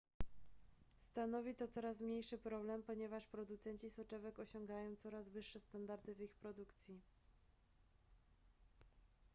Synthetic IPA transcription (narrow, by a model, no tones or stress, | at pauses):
st̪anɔvʲit̪ɔt̪sɔɾasmɲejʂɘpɾɔblɛmpɔɲɛvaʂpɾɔd̪ut̪sɛɲt͡ɕisɔt͡ʂɛvɛkɔɕɔŋɡajɔ̃w̃t̪sɔɾazvɘʂːɛst̪and̪aɾd̪ɘvixpɾɔd̪ukt̪sʲji